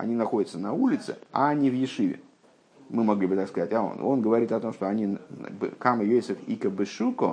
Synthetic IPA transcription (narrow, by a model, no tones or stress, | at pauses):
ɐ̰nʲinɐxo̞dʲɪt̪sənɐulʲɪt̪sɨ̰a̰nʲivjɪʂɨvʲɪ̰ | mɨmɐɡlʲibɨt̪akskɐzatʲao̰no̰nɡəvɐɾʲit̪ɐt̪o̞mʂt̪oɐnʲibɨ̰kamɨvʲesɨkikəbɨʂuko